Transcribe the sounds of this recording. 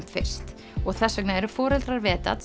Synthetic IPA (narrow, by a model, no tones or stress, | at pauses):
m̥t̪fɪ̰r̥st̪ | ɔɣθɛsːœknaɛɾʏfɔːɾɛlt̪ɾaɾvɛːt̪a̰t̪